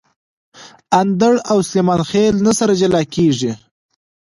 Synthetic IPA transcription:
and̪əɽawsemɑːnxelnasaɾad͡ʒalɑkeʐi

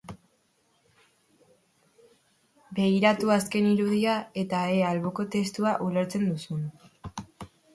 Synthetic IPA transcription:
be̞ɣiɾat̪uaske̞niɾuð̞iae̞t̪aealβo̞ko̞t̪e̞st̪uaʔule̞ɾt͡se̞nd̪usun

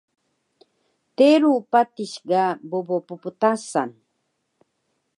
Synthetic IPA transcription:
t̪eɾupat̪ɪʃɢɑbobopʊpʊt̪asan

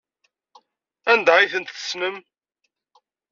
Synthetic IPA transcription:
ænd̪aɾiθənt̪θə̥snəm

